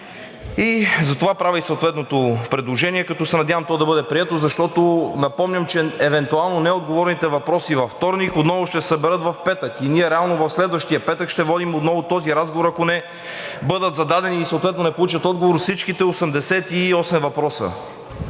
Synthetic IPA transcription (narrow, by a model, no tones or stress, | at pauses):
izɐt̪ovapɾaviisəoʊt̪vɛt̪not̪opɾɛd̪lˠoʒɛniɛkɐt̪ɔsɛnɐd̪ʲjavɐmt̪ɔd̪ɐbɤd̪ɛpɾiɛt̪ozɐʃt̪ɔt̪onɐpɔmnʲəmt͡ʃɛɛvɛnt̪ualˠnonɛod̪ɡovɔɾnit̪ɛvɐpɾɔsivɐft̪ɔɾnikot̪nɔvʊʃt̪ɛɛ̥sɐbɛɾət̪vɐfpɛt̪əkiniɛɾɛalˠnovɐfslɛd̪vəʃt̪ijəpɛt̪əkʃt̪ɛvɔd̪imot̪nɔvʊt̪ɔziɾazɡovoɾɐkonɛ | bɤd̪ət̪zɐd̪ad̪ɛniːsoʊt̪vɛt̪nonɛpolˠut͡ʃət̪ɔd̪ɡovoɾfsit͡ʃkit̪ɛosɛmd̪ɛsɛt̪iɔsɛmvɐpɾɔsə̰